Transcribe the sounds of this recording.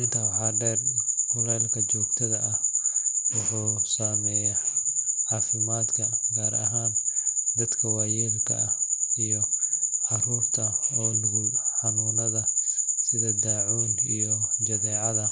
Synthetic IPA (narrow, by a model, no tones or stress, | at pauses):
ʔɪnt̪ʰɐwħɑːɖɛrkʰʊlɛːlkʰɐt͡ʃɔːɡ̚t̪ʰɐðɐʔɐhwʊħuːsaːmɛːjɐhʕɑːfɪmaːd̪kʰɐnɡaːɾɐ̰ɦaːnd̪ɐd̪kʰɐwɑjɛːmkʰɐ̰ʔɐhijɔʕɑruːrt̪ʰɐɔːnɐɣʊħɑnuːnɐðɐsɪðɐd̪aːʕuːnijɔd͡ʒɐðɛːʕɑðɐ